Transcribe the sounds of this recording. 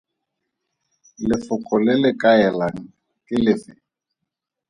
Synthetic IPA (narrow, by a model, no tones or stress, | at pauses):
lɪfʊkʼɔlɪlɪkʼaɛlaŋ̩ | kʼɪlɪfɪ